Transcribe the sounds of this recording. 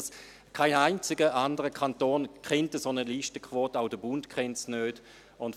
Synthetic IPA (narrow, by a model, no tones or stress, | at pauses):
s | kʰaɪnaɪnt͡sɪɡəʔandəʁəkʰantoːnkʰχɛntəsonəliːʃtəkʰvoːtaʊdəbʊntkʰɛntsnøːd̥ | ʊnt